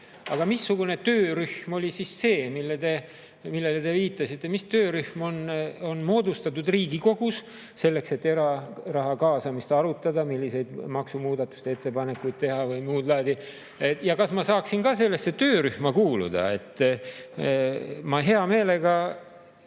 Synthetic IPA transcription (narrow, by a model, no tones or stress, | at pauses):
ɑ̰ɡ̥ɑmisːuɡ̥une̞t̪ø̞ːɾyhmo̞lʲisisːe̞ːmilːet̪e̞ | milːe̞let̪e̞viːt̪ːˑɑsit̪ːe̞mist̪øːɾyhmo̞no̞nmo̞ːd̪ust̪ɑt̪ːˑud̪riːɡiko̞ɡ̥usː | e̞lːe̞kse̞t̪ːe̞ɾɑrɑɦɑkɑːsɑmist̪ɑɾut̪ːˑɑd̪ɑmilʲːise̞jd̪mɑksumuːd̪ɑt̪ːˑu̥st̪eet̪ːˑepɑne̞kːujd̪̚t̪e̞ɦɑvɯjmuːd̪̥lɑːd̪i | jɑkɑsmɑsɑːksinkɑse̞lːe̞sːe̞t̪øːɾyhmɑkuːlṵd̪̥ɑ̰e̞̰t̪ˑː | mɑɦe̞ɑme̞ːle̞ɡɑ